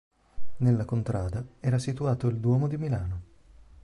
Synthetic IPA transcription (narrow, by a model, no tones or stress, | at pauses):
nelːakont̪ɾʔaːd̪aɛːɾasit̪uaːt̪oild̪wɔːmod̪imilaːno